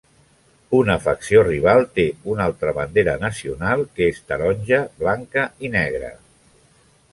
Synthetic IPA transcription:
unəfəksioriβ̞alˠt̪eunalˠt̪ɾəβand̪eɾənəsiunalˠkəest̪əɾɔnʲʒəβlaŋkəinɛɣɾə̰

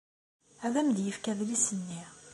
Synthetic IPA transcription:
æðæmðjəfkæðlisənːi

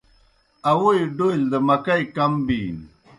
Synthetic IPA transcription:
ɐwujɖold̪əmɐkɐjkɐmbiːn

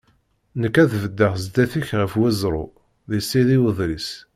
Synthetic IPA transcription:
nəkːæðvəd̪ːəʁzd̪æθiçʁəfwæzɾˤo̰ | ðisːiðiwəðˤɾis

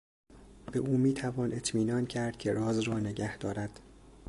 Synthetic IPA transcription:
b̥e̞ʔuːmiːt̪ʰævɒːnʔe̞t̪ʰmiːnɒːncʰæɾd̪̥̚cʲʰe̞ɾɒːzrɒːne̞ɟæhd̪̥ɒːɾæd̪̥

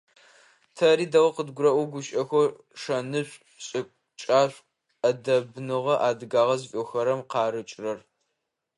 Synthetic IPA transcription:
tʰɐɾiːdɐʁɐqədɡʷʊɾɐʔʷɔɡʷʊɕʼɐxʷɔ | ʂɐnɨɕʷʼ | ɕʼɪkʷʼ | t͡ʃʼaːɕʷʼ | ɐdɐbnɨʁɐʔaːdɨɡaːʁɐzfʼoxɐɾɐmqɑːɾɨt͡ʃʼrɐr

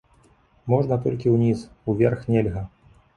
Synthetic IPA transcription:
mɔʐnɐt̪ɔlʲkʲiwnʲisuvʲɛrxnʲɛlʲɣɐ

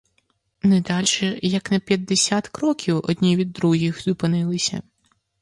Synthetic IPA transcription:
nɛd̪ɑlʲʃɛjɐknɐpʲjɐd̪ːesʲat̪kɾɔkʲʰiwɔ̰dʲnʲiʋʲid̪ːɾuɦʲixz̥ʊpɪnɪlˠɪsʲɐ̰

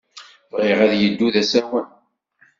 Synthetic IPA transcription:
vʁiʁæðjəd̪ːuðæsæwən

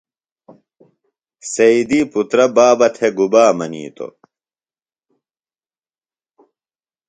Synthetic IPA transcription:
sɐid̪iːput̪ɾɐbaːbɐt̪ʰeɡubaːmɐnḭːt̪o̰

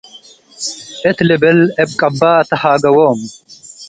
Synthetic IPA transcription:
ɛt̪lɛbɛlɛb̚kʼɐbːaːt̪ɐhaːɡɐwoːm

